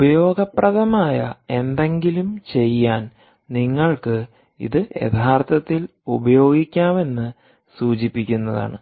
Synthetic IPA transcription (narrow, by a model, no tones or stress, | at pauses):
ubɐjo̞ːɡɐprɐðɐmaːjɐe̞nd̪e̞ŋɡilumt͡ɕe̞jːaːn | niŋːɐɭkɨ | ḭðɨjḛt̪ʰaːrt̪ʰɐt̪ːil | ubɐjo̞ːɡikʲːaːme̞nːɨ | suːt͡ɕipːikʲːunːɐða̰ːɳɨ̰